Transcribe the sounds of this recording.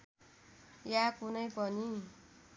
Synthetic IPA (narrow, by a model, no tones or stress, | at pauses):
jakunʌjpʌni